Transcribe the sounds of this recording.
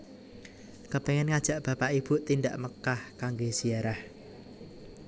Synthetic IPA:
kəpeŋɛnŋad̥ʒ̥a̤ʔb̥ä̤paʔib̥ut̪indaʔməkahkaŋɡesiaɾah

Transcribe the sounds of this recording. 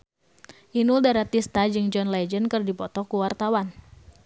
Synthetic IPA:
ʔinuldaɾat̪ist̪ad͡ʒɨŋd͡ʒɔnlad͡ʒənkɨrdipɔt̪ɔkuwart̪awan

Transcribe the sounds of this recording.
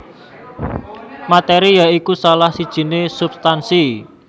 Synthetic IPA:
mat̪eɾijaikusalahsid̥ʒ̥i̤nesub̥st̪ansi

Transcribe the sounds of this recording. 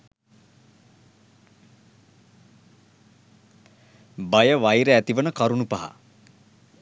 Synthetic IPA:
bajəʋajɾəæt̪iʋənəkaɾunupɐɦa̰

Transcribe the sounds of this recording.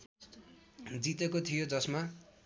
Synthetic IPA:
d͡zit̪ekot̪ʰijod͡zʌsma

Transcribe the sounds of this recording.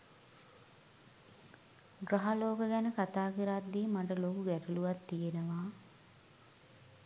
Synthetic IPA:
ɡɾaɦaloːkəɡɛnəkat̪aːkiɾat̪d̪iːmaʈ̬əlokuɡæʈuluʋat̪ːijenəʋaː

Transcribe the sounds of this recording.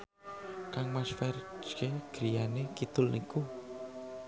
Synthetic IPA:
kaŋmasfɛɾd͡ʒkeɡ̥ɾijanekit̪ʊlnḭku

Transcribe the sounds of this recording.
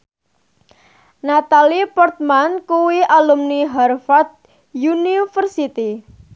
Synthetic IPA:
nat̪alipɔrt̪̚mankuwiʔalumniɦarfat̪̚ | junifərsit̪i

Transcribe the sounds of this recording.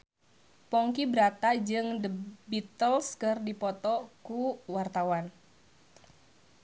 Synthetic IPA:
pɔŋkibəɾat̪ad͡ʒɨŋdəbit̪əlskɨrdipɔt̪ɔkuwart̪awan

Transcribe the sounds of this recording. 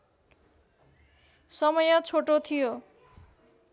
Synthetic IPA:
sʌmʌjʌt͡sʰoʈot̪ʰijo

